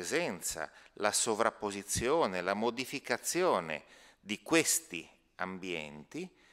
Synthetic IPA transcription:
zɛnt̪sa̰lasovɾapːozit̪sːjɔːnelamod̪ifikat̪sːjɔːnḛ | d̪ikwest̪i | ambjɛ̰nt̪i

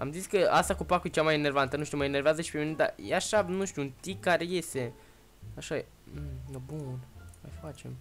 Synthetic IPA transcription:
a̰mziskəa̰st̪akupakujt͡ʃamajene̞rvant̪ənũʃt̪uməenerveazəʃi̥pe̞mine̞d̪a̰jeaʃanuʃt̪juunt̪ikːaɾe̞je̞st̪e̞ | aʃae | m̩nobunmajfat͡ʃe̞̰m

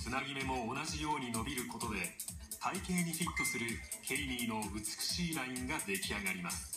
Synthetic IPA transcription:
t͡sɨnaɡʲime̞mo̞ːnaʑijo̞ːɲ̟ino̞bʲiɾɯ̟ko̞t̪o̞d̪e̞ | t̪ʰaikẽ̞ɲːiçʲit̪ːo̞sɨɾɯ̟kʰe̞iɾʲiːno̞ɯ̟t͡sɨ̥kɯ̥ɕiːɾaĩŋɡad̪e̞kʲiaɡaɾʲimasɨ̥

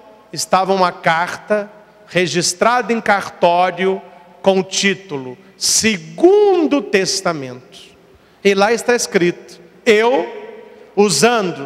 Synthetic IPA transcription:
ɪst̪avɐũmɐkaɾt̪ɐ | heʒist̪ɾad̪ɐẽj̃kaɾt̪ɔɾjʊ | kõʊt͡ʃit̪ʊlʊ | seɡũd̪ʊt̪est̪amẽnt̪ʊ̥ | ɪlaɪst̪aeskɾit̪ʊ̥ | ew | uzɐ̃nd̪ʊ

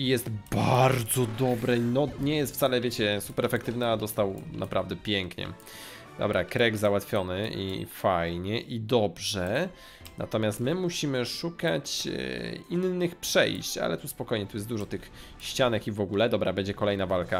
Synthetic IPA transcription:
ijɛst̪baɾd̪zɔd̪ɔbɾɛnɔɲɛjɛst̪ft̪salɛvʲjet͡ɕɛsupɛɾɛfɛk̚t̪ɘvnɨad̪ɔst̪awnʔapɾavd̪ɛpʲjɛŋkɲɛ̰ | d̪ɔ̰bɾakɾɛɡzawat̪fʲjɔnɘḭfajɲɛʔid̪ɔbʐɛ | na̰t̪ɔmʲjast̪mɘmuɕimɘʂukat͡ɕ | inːɘxpʂɛ̰jɕt͡ɕa̰lɛt̪uspɔkɔjɲɛt̪ujɛsd̪uʐɔt̪ɘx | ɕt͡ɕanɛkivɔɡulɛd̪ɔbɾabɛɲd͡ʑɛkɔlɛjnavalka

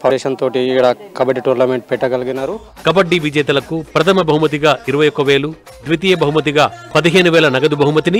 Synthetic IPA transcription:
pʰɐɛːʃɐnt̪oːʈiːkːɐɽɐkɐbɐɖiʈoːɾnɐmeɳʈ̚pɛʈːɐɡɐlɐɡinːaːɾu | kɐbɐɖːiʋid͡ʒɛːt̪ɐlɐkupɾɐt̪ʰɐmɐbɐɦumɐt̪̬iɡaːʔiɾuʋɐjɔkːɐʋe̞ːlu | d̪ʋit̪iːjɐbɐɦumɐt̪̬iɡaːpɐd̪iɦe̞ːnuʋɛːlɐnɐɡɐd̪ubɐɦumɐt̪ini

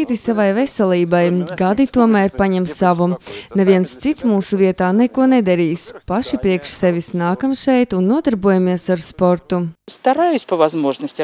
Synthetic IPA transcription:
it̪isavajvɛsɛlʲˠiːbajɡad̪it̪uɔmæːɾpaɲɛmsaʋunevʲiɛnst̪sit̪smuːsuviɛt̪aːnɛkuɔnɛd̪ɛɾiːspaʃipɾiɛkʃsɛvʲisnaːkamsʃɛjt̪unːuɔd̪aɾbuɔjamiɛsaɾspɔɾt̪ust̪aɾaːjʊsʲpɐvazmoʒnəsʲtʲ

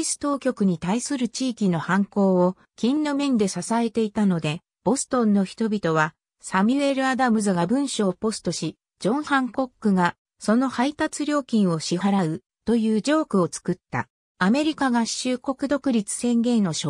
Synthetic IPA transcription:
isɨ̥t̪o̞ːkʲo̞kɯ̟ɲ̟it̪aisɨɾɯ̟t͡ɕiːkʲino̞hãŋko̞ːo | kʲĩnːomẽ̞nd̪e̞sasae̞t̪e̞it̪ano̞d̪e̞ | b̥o̞sɨ̥t̪õ̞nːo̞çi̥t̪o̞bʲit̪o̞β̞a | samʲɯe̞ɾɯ̟ad̪amɯ̟zɨɡabɯ̟̃ɰ̃ɕo̞ːpo̞st̪o̞ɕi | d͡ʑõ̞ɰ̃hãŋko̞kːɯ̟ɡa | so̞no̞hait̪at͡sɨɾʲo̞ːkʲĩɰ̃o̞ɕiɦaɾaɯ̟ | t̪o̞jɯ̟ːd͡ʑo̞ːkɯ̟o̞t͡sɨ̥kɯ̟t̪ːa̰ | ame̞ɾʲikaɡḁɕɨːko̞kɯ̟d̪o̞kɯ̟ɾʲit͡sɨ̥sẽ̞ŋɡẽ̞nno̞ɕo

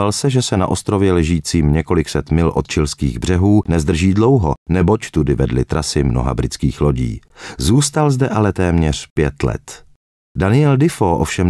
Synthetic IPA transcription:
alsɛʒɛsɛna̰ʔo̞st̪ɾovjɛlɛʒiːt͡siːmɲɛko̞lɪksɛt̪mɪlʔot̪̚t͡ʃɪlskḭːɣbr̝ɛɦuːnɛzd̪r̩ʒiːdlo̞wɦo̰nɛbo̞ct̪udɪvɛdlɪ̰t̪ɾʔasɪmno̰ɦa̰bɾɪt͡skiːxloɟḭːzuːst̪alzdɛʔalɛt̪ɛːmɲɛr̝̥pjɛt̪lɛ̰t̪ | danɪɛldɪfoʔfʃɛm

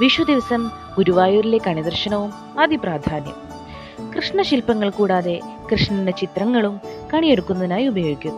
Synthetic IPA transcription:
ʋiʂʋɐd̪iʋɐsɐm | ɡuɾuʋaːjurilekɐɳid̪ɐrʂɐnɐʋum | ɐd̪ʱipraːd̪ʱaːnjɐ̰m | krɨʂɳɐɕilpːɐŋːɐɭkuːɽaːðe̞ | krɨʂɳɐndet͡ɕit̪rɐŋːɐɭumkɐɳijeɽukːunːɐðinaːjubɐjo̞ːikʲːum

